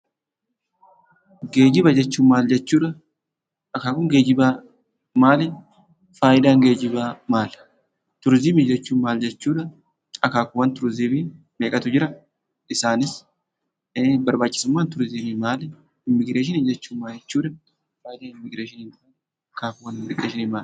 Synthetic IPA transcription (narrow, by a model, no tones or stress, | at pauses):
ɡe̞ːd͡ʒɪbɐd͡ʒɛt͡ʃːuːnmaːld͡ʒɛt͡ʃːuːᶑɐ | ʔɐkaːkʊŋɡeːd͡ʒɪbaː | maːlɛ | faːjɪd̪aːŋɡe̞ːd͡ʒɪbaːmaːl | t̪ʊɾzɪmiːd͡ʒɛt͡ʃːuːnmaːld͡ʒɛt͡ʃːuːᶑɐ | ɐkaːkʊwɐnt̪ʊɾzɪbɪ | meːkʼɐt̪ʊd͡ʒɪɾɐ | ɪsaːnɪs | bɐɾbaːt͡ʃʼːɪ̥sʊmːaːnt̪ʊɾzɪmimaːlɛ | ɪmːɪɡɾeːʃ̬ɪnid͡ʒɛt͡ʃːuːmːaːd͡ʒɛt͡ʃːuːᶑɐ | faːjɪd̪aːnɪmːɪɡɾeːʃɪniːn | ɐkaːkʊwɐnɪmːɪɡɾeːʃɪnimaːl